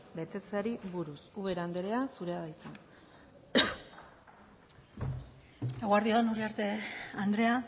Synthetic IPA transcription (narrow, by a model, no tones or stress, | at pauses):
be̞t̪e̞t͡saɾiβuɾusuβe̞ɾand̪eɾe̞asuɾe̞aðajt͡san | eɣuaɾðioðenuriaɾt̪e̞and̪ɾe̞a